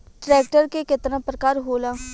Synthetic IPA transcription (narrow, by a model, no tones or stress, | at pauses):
ʈɾɛːk̚ʈəɾkekɪt̪nãːpɾəkaːɾɦoːlaː